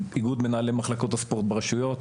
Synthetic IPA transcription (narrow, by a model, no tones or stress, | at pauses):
iɡud̪menaːlemaχlako̞t̪aspo̞ʁt̪beʁeʃujo̞t̪